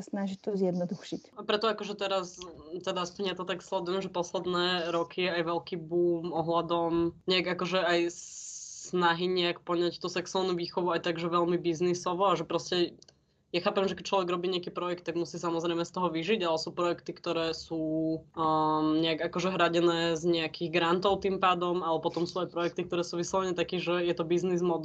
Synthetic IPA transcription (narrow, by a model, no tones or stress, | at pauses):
asnaʒict̪ɔzjɛd̪nɔd̪uxʃicapɾɛt̪ɔakɔʒɛt̪ɛɾast̪ɛd̪aspɲɛt̪ɔt̪akslɛd̪ujɛmʒɛpɔslɛd̪nɛːɾɔkʰijɛajʋɛlkiːbuːmɔɦlad̪ɔmɲɛaɡakɔʒɛaj | snaɦiɲɛakpɔɲact̪uːsɛksʊalˠnuːʋiːxɔʋuajt̪aɡʒɛʋɛlmibiznisɔʋɔaʒɛpɾɔscɛ | jaxaːpɛmʒɛkɛ̥c̚t͡ʃlɔʋɛɡɾɔbiːɲɛakiːpɾɔjɛk̚t̪ːaɡmusiːsamɔzɾɛjmɛst̪ɔɦɔʋiʒiɟalɛsuːpɾɔjɛkt̪ikt̪ɔɾɛːsuː | ɲɛaɡakɔʒɛɦɾaɟɛnɛːzɲɛakʰiɣɡɾant̪ɔʊt̪impaːd̪ɔmalɛpɔt̪ɔmsuːajpɾɔjɛk̚t̪ikt̪ɔɾɛːsuːʋislaɲɛt̪akiːʒɛjɛt̪ɔbiznizmɔd̪